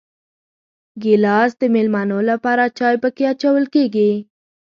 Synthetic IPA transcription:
ɡɪlɑsd̪emelmɑnolapɑɾat͡ʃɑjpəkeat͡ʃawəlkeɡi

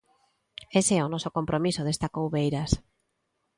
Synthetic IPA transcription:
eseɛʊnɔsokompɾʔomisʊð̞est̪akowβejɾas

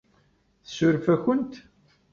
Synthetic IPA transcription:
θə̥sʊɾfæçənt̪

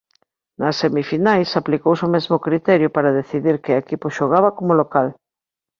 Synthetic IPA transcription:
nɐsːemifinajsaplikowsomɛzmʊkɾit̪ɛɾjʊpaɾaðeθiðiɾkɪaekipʊʃoɣ̞aβɐkomolokal

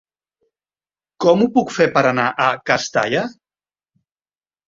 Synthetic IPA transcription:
kɔmupukfepəɾənaʔəkast̪a̰ʎə

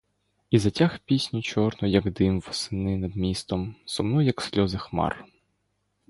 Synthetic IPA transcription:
izɐtʲaxpʲisʲnʲʊt͡ʃɔrnɔjɐɡd̪ɪmʋɔsɪnɪnɐd̪mʲist̪ɔmsɔmnɔjɐksʲlʲɔzɪxmɑ̰r

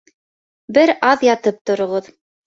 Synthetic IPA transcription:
bɘɾɑðjɑt̪ɤp̚t̪ŏɾŏʁɤð

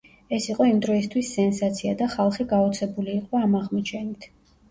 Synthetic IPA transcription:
ɛsiqʼɔimd̪ɾɔist̪ʰwisːɛnsat̪sʰiad̪aχalˠχiɡaɔt̪sʰɛbuliːqʼɔamaʁmɔt͡ʃʰɛnit̪ʰ

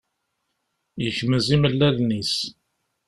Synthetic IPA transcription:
jəçməziməlːæðnis

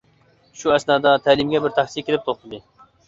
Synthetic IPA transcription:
ʃuɛsnɑːd̪ɑt̪ʰæːlɪmɡʲɛbɪɾt̪ʰæχsikʲʰelɪp̚t̪ʰoχt̪ɨd̪ɨ

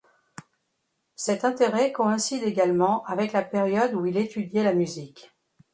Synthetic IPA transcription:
sɛt̪ɛ̃t̪eʁɛkɔɛ̃sid̪eɡalmɑ̃ʔavɛklapeʁjɔd̪uilet̪ʰyd̪jɛlamyzik

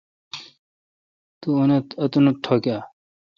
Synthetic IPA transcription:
t̪uunɐt̪ɐt̪unɐʈʰoːkjaː

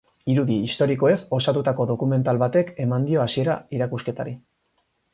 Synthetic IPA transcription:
iɾuðiːst̪o̞ɾiko̞e̞so̞sat̪ut̪ako̞ðo̞kume̞nt̪alβat̪e̞ke̞mand̪io̞asie̞ɾaiɾakuske̞t̪aɾi

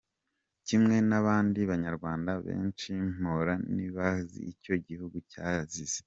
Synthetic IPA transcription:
cimŋe̞naβaːndiβaɲaɾɡwaːndaβe̞̰ːnt͡ʃim̥oɾaniβazḭːco̞ɟihuɡucaziz̥e

